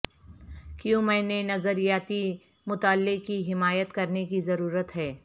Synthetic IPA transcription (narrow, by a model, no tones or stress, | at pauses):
kjũmɛ̃ːnenɐzəɾijaːt̪i | mʊt̪aːlːekiɦɪmaːjət̪kɐɾnekizɐɾuːɾət̪ɦɛː